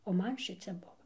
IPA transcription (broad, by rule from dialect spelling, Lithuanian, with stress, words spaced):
oː ˈmɐn ˈʃʲɪt͡sʲɛ ˈbʊʋɐ